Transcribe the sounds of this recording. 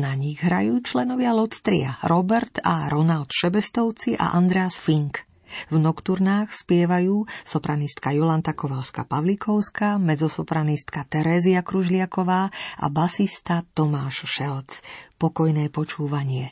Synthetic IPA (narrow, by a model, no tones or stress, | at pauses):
naɲiɣɦɾa̰juːt͡ʃlɛnɔʋɪalɔst̪ɾḭa̰ɾɔbɛɾt̪a̰ɾɔnalt̪ʃɛbɛst̪ɔʊt͡siʔa̰ʔand̪ɾɛasfiŋk | vnɔkt̪uɾnaːxspɪɛʋajuːsɔpɾanist̪̚kajɔlant̪akɔʋalska̰paʋlikʰɔʊskamɛzɔsɔpɾanist̪kat̪ɛɾɛːziakɾuʒlɪakɔʋaːʔa̰basist̪at̪ɔmaːʃʃɛlt͡spɔkɔjnɛːpɔt͡ʃuːʋaɲɪɛ